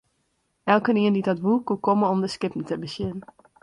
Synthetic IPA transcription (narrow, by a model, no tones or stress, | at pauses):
ʔɛlˠkəniəndidɔtʋukukoməɔmdəskɪpən̩təbəsjɪnn